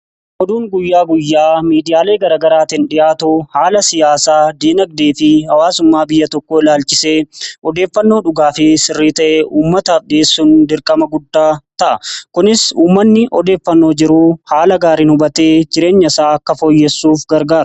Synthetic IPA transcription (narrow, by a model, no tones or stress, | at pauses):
ʔɔd̪uːŋɡʊjːaːɡʊjːaːmiːd̪ɪjaːle̞ːɡɐɾaːɡɐɾaːt̪ɪnᶑɪjʔaːt̪uhaːlɐsɪjaːsaːd̪iːnɐɡ̚d̪eːfɪhɐwaːsʊmːaːbɪjːɐt̪ɔkːoːɪlaːlt͡ʃɪse̞ːɔd̪e̞ːfːɐnːo̞ːᶑʊɡaːfɪsɪrːiːt̪ɐʔeːʔuːmːɐt̪ɐɗeːsːuːnd̪ɪɾkʼɐmɐɡʊd̪ːaːt̪ɐʔɐkʊnɪsuːmːɐnːɪʔɔ̰d̪e̞ːfːɐnːo̞ːd͡ʒɪɾuːhaːlɐɡaːɾɪːnhʊbɐt̪eːd͡ʒɪɾe̞ːɲːɐɪsaːɐkːɐfo̞ːjːɛsːuːfɡɐɾɡaːɾ